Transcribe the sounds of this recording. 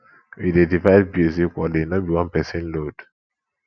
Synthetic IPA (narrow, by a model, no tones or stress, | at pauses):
widedivad̚biezikʷɔdenɔbiwãnpɛsẽnlod̥